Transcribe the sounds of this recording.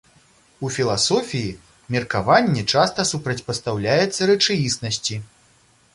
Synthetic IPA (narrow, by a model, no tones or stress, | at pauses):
ufʲilˠasɔfʲiji | mʲɛrkavanʲːɛt͡ʂast̪ɐsupɾɐt͡sʲpɐst̪awlʲajɛt̪sːɐɾɛt͡ʂajisnɐsʲt͡sʲi